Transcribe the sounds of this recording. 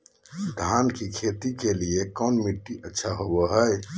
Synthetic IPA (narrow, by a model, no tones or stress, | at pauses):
d̪ʱankikʰet̪ikeliekɔːnmiʈːiʔətːʃʰaɦoboɦəj